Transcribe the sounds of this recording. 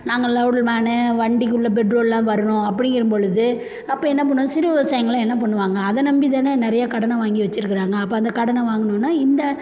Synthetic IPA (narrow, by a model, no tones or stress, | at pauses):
naːŋɡɐlɐʊɽlmaːnɐʋɐɳɖɪk̬ːɯɭːɐpɛʈɾoːllãːʋɐɾɯɳʊ̃ɐpːɐɽɪŋɪɾɯmbɔɻɯðɯ | ɐpːɐːɛnːɐp̬ɐɳːʊ̃sɪɾɯʋɐsɐjɐŋɡɐɭl̃ɛnːɐp̬ɔɳːɯʋaːŋɡɐːðɐnɐmbiðanɐnɪɾɐjakɐɽɐnɐʋaːŋɡiʋɐt͡ʃːɪɾɯkːɪɾaːŋɡɐːpːoːɐnd̪ɐkɐɽɐnɐʋaːŋɡɐnõnːaːɪnd̪ɐ